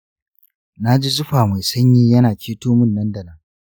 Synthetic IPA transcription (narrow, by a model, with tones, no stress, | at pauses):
na˦d͡ʒi˦zʊ˦ɸaː˨ma˨jsɐ˦ɲjiː˦jɐ˦naː˨kʲeː˦toː˦mʊ˦nːɐ˦ndɐ˨nɐ˦ŋ